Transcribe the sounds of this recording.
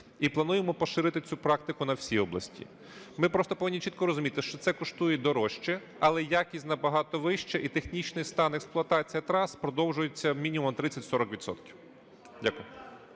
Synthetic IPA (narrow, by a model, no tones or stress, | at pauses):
iplˠɐnujemɔpɔʃɪɾɪt̪ɪt͡sʲupɾɑk̚t̪ɪkʊnɐwsʲijɔblˠɐ̰sʲtʲḭ | mɪpɾɔst̪ɔpɔʋɪnʲːit͡ʃʲit̪kɔɾɔzʊmʲit̪ɪʃt͡ʃɔt̪sɛkɔʃt̪ujɛd̪ɔɾɔʃt͡ʃɛ | ɐlˠɛjakʲisʲtʲnɐbɐɦɑt̪ɔʋɪʃt͡ʃɛʔit̪exnʲit͡ʃnɪjst̪ɑnɛksplˠʊɐt̪ɑt͡sʲijɐt̪ɾɑspɾɔd̪ɔwʒʊjet͡sʲːɐmʲinʲimɔmt̪ɾɪt͡sʲːɐtʲsɔɾɔkʋʲid̪sɔ̰t̪kʲiw | dʲakʊjɛ